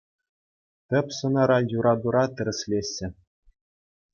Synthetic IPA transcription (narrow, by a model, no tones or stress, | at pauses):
t̪ʲɘ̆pʲsɤ̆nɑɾɑjuɾɑd̪uɾɑt̪ʲɘ̆ɾʲɘ̆sʲlʲeɕʲːɘ̆